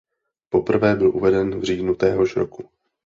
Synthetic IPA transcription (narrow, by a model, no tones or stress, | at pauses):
po̞pr̩vɛːbɪlʔuvɛdɛnvr̝iːdnut̪ɛːɦo̞ʃɾo̞ku